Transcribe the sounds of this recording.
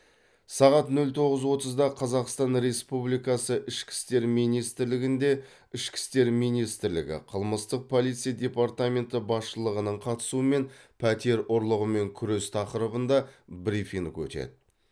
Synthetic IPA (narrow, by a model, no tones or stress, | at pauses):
sɑʁɑt̪nɵlt̪ʰo̞ʁəzwo̞t̪əzd̪ɑqʰɑzɑqst̪ɑnɾe̞spublˠijkɑsəʔɪʃkʲɪ̥st̪e̞ɾmijnijst̪ɪɾlɪɡʲɪnd̪e̞ | ɪʃkʲɪ̥st̪e̞ɾmijnist̪ɪɾlɪ̰ɡʲɪ̰qʰəlˠməst̪əq̚pʰo̞lˠijt̪sɨjad̪ʲe̞paɾt̪ame̞nt̪əbɑsʃəlˠəʁənəɴqʰɑt̪ə̥suəme̞npʰæt̪e̞ɾoɾlˠəʁəme̞ŋkʲʰʏɾest̪ʰɑqəɾəbənd̪ɑbɾifiŋkɵ̰t̪e̞̰d̪ɪ